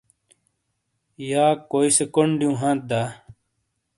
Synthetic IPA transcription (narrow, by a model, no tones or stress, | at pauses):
jaːkoːisekoɳɖijũːɦãːt̪̚d̪aː